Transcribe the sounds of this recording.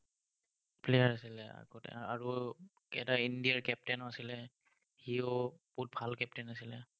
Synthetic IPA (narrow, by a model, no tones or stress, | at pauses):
pʰlɛjaɹasilɛa̰ɡɔtɛ̰aɹu | ɛ̰taindijaɹkɛp̚tɛnasilɛ | hioput̚bʱalkɛp̚tɛnasilɛ